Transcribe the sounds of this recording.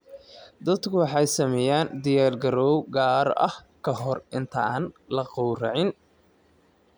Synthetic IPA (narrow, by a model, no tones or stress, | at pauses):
d̪ɐd̪kʰʊwɑħɑjsɐmɛjaːnd̪ɪjaːrɡɐɾɔwɡaːɾɐ̰hkʰɐɦɔrʔɪnt̪ʰɐaːnlɐqɔwrɑʕɪn